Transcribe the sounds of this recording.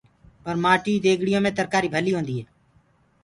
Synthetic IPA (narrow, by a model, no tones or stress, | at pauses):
pəɾmaːʈiːd̪eːɡɽɪjõːmẽːt̪əɾkaːɾiːbʱəliːɦõːnd̪iːɦeː